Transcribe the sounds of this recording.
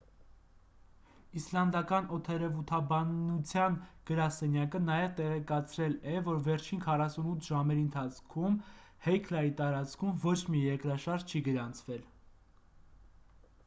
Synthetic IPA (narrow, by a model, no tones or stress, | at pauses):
islɑnd̪ɑkɑnɔt̪ʰɛɾɛvut̪ʰɑbɑnːut͡sʰjɑnɡ̥əɾɑsɛnjɑkənɑjɛvt̪ɛʁɛkɑt͡sʰɾɛlɛvɔɾvɛɾt͡ʃʰinkʰɑrɑsunut̪ʰʒɑmɛɾiənt̪ʰɑt͡sʰkʰumhɛjkʰlɑjit̪ɑɾɑt͡skʰumvɔt͡ʃʰmijɛɾkɾɑʃɑɾʒt͡ʃʰiɡəɾɑnt͡sʰvɛl